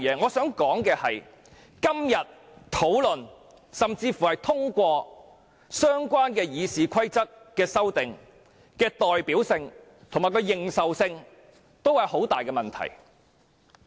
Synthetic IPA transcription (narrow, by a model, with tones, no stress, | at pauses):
jɛː˨˧˥ŋɔː˨˧sœː˨˥ŋkɔː˨˥ŋkɛː˧hɐ˨j | kɐ˥mjɐ˨t̚ | t̪ʰo˨˥wlɵ˨n | sɐ˨mt͡siː˧fu˨hɐ˨jt̪ʰʊ˥ŋkʷɔː˧ | sœː˥ŋkʷaː˥nkɛː˧jiː˨˧siː˨kʰɐ˥jt͡sɐ˥k̚kːɛː˧sɐ˥wt̪ɪ˨ŋ | kɛː˧t̪ɔː˨˩jpiː˨˥wsɪ˧ŋ | t̪ʰʊ˨˩ŋmaː˨˩kɔ˧jɪ˨ŋsɐ˨wsɪ˧ŋ | t̪o˥whɐ˨jho˨˥wt̪aː˨jkɛː˧mɐ˨nt̪ʰɐ̰˨˩j